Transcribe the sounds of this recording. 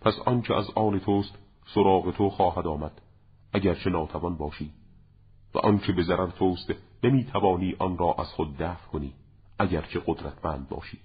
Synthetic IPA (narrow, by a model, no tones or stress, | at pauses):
pʰæsɒnt͡ʃʰeʔæ̰zʔɒːne̞t̪ʰost̪ | soɾɒːɣe̞t̪ʰoxɒːɦæd̪ɒːmæd̪̥ | ʔæɟæɾt͡ʃʰe̞nɒːt̪ʰævɒnbɒːʃiː | væ̰ʔɒnt͡ʃʰebe̞zæɾæɾt̪ʰoːst̪nemiːt̪ʰævɒːniːʔɒnɾɒːʔæz̥xod̪̚ːæːfkʰoniː | ʔæɟæɾt͡ʃʰe̞ɣod̪ɾæt̪ʰmænd̪̚bɒ̰ːʃiː